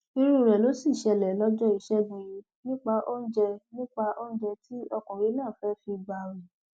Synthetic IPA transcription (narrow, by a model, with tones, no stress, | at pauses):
i˧ɾu˦˨ɾɛ˨lo˨˦si˦˨ʃɛ˧lɛ˨lɔ˦d͡ʒɔ˦i˧ʃɛ˦ɡũ˧ji˧˦ | nĩ˦k͡pa˧ʔo˦n̩˦d͡ʒɛ˧nĩ˦k͡pa˧ʔo˦n̩˦d͡ʒɛ˧ti˦ɔ˧kɔ̃˨ɾi˨˦nãː˦˨fɛ˨˦fi˧ɡ͡ba˨wi˨